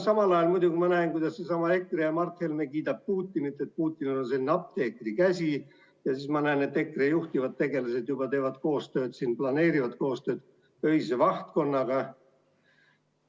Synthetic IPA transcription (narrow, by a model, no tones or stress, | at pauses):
sɑmɑlɑjɑlmud̪uɡimɑnæenkujd̪̥ɑssesɑmɑe̞kːˑrejɑmɑrt̪helmekiːd̪ɑb̥̚puːt̪ʲːˑinit̪ːˑe̞t̪̚puːt̪ʲˑːinulonselːineɑp̚t̪eːkˑrikæsʲi | jɑsismɑnæːne̞t̪ːe̞kːˑrejuht̪ivɑd̪̥̚t̪e̞ɡe̞lɑse̞d̪jub̥ɑt̪e̞ːvɑd̪̥ko̞ːst̪ø̞ːd̪̥sinplɑne̞ːɾivɑd̪ko̞ːst̪ø̞ːd̪̥ | ø̞jsevɑht̪̚ko̞nːɑɡ̥ɑ